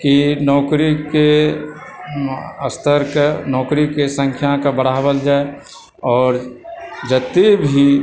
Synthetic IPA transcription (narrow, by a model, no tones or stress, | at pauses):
kinɔːkɾike | əst̪ʰəɾknɔːkɾikesə̃ŋkʰjakabəɽ̤aːwəld͡ʒaːe | ɔːɾd͡ʒət̪ːebʱi